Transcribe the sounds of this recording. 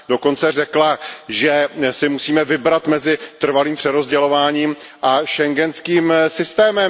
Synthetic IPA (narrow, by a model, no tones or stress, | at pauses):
do̞ko̞nt͡sɛr̝ɛklaʒɛsɪmusiːmɛvɪbɾat̪mɛzɪt̪r̩valiːmpr̥ɛɾo̞zɟɛlo̞vaːɲiːm | ʔaʃɛŋɡɛnskiːmsɪst̪ɛːmɛm